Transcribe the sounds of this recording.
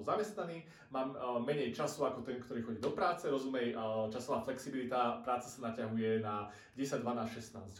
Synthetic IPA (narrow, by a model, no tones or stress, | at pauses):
zamɛst̪naniː | maːmːɛɲɛjt͡ʃasuakɔt̪ɛŋkt̪ɔɾiːxɔɟiːd̪ɔpɾaːt͡sɛɾɔzumɛjt͡ʃasɔʋaːflɛksibilit̪apɾaːt͡sḁsanacaɦujɛna | ɟɛsaɟd̪ʋanaːsʃɛsnaːzc